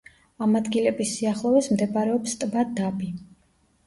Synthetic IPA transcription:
amad̪ɡilɛbisːiaχlˠɔvɛsmd̪ɛbaɾɛɔpst̪ʼmad̪abi

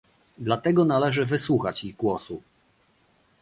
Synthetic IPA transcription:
d̪lat̪ɛɡɔnalɛʐɘvɘswuxat͡ɕiɣɡwɔsu

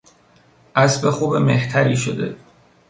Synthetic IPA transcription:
ʔæsbexuːbemeht̪ʰæɾiːʃod̪e̞̰

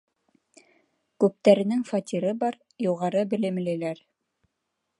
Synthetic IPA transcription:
kʉp̚t̪æɾɘ̆nɘŋfɑt̪ʲiɾɤbɑɾ | juʁɑɾɤbɘ̆lɘ̆m̆lælæɾ

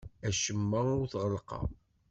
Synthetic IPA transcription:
æʃəmːæʊɾθʁəlqɑ̰

